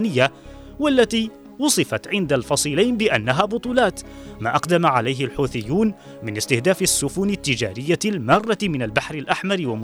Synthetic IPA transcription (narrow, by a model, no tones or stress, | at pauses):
nɪjːa | walːat̪iː | wʊsˤɨfɑt̪ʕɪnd̪alfɑsˤiːlajnbɪʔanːaɦaːbʊt̪ˤuːlɑːt̪ | maːʔɑqd̪amaʕalajɦɪlħuːθɪjːuːn | mɪnɪst̪ɪhd̪aːfɪsːʊfʊnɪt̪ːɪd͡ʒa̰ːɾɪjːalmɑrˤːɑmɪnalbaħɾɪlʔaħmɑɾwam